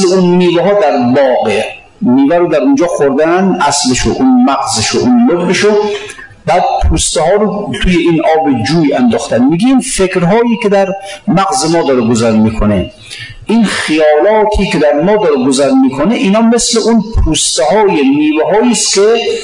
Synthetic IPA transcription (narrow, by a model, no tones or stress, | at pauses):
leunːiːveɦɒːd̪æɾbɒːɡe | niːvæɾod̪æɾund͡ʒɒːxoɾd̪ænʔæsleʃoʔunmæɣzeʃoʔunlobbeʃo | bæːd̪̚pʰuːst̪ehɒːɾot̪ʰuːjeinʔɒːbed͡ʒuːjænd̪ɔːχt̪ænmiːɡeinfekɾɦɒːjiːkʰed̪æɾmæɣzemɔːd̪ɒːɾeɡozæɾmiːkʰone | ʔinχijɒːlɒːt̪ʰiːkʲʰed̪æɾmɒːd̪ɒːɾeɡozæɾmiːkʰoneʔiːnɒːmesleʔunpʰuːst̪ehɒːjeniːveɦɒːiːskʲʰe